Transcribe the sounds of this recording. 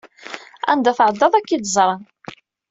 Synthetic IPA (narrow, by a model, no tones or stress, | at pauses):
æ̰nd̪æθəʕəd̪ːɑðˤækːid̪zˤɾˤɑn